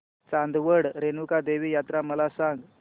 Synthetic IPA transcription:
t͡sand̪ʋəɽɾenukad̪eʋiːjat̪ɾaməlasãŋɡ

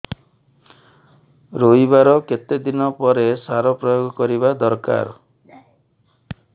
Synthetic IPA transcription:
ɾoibaɾɔket̪ed̪inɔpɔɾesaɾɔpɾɔjoɡɔkɔɾibad̪ɔɾka̰ɾ

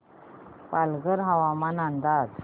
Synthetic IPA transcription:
palɡəɾɦaʋamanãnd̪at̪

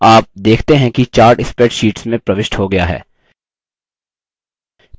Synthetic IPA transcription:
aːp̚d̪eːkʰt̪eɦɛ̃kit͡ʃaːɾɖɪspɛʈʃiːʈsmẽpɾɐʋɪʃʈɦoɡɐjaɦɛ̰ː

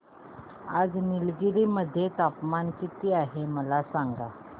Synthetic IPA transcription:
ad͡znilɡiɾiməd̪ʱːjet̪apmankit̪iːaɦeməlasaŋɡa

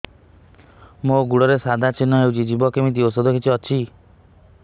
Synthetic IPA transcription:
moɡuɽɔɾesad̪ʱat͡ʃinɔɦewt͡ʃʰid͡ʒibɔkemit̪̬iosod̪ʱɔkʰit͡ʃʰiɔt͡ʃʰi

